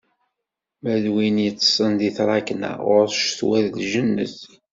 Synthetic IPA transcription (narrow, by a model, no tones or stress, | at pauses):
mæðwinjət͡sːsˤənd̪iθɾˤɑknæ̰ʊɾʃθwæðlʒənːə̰θ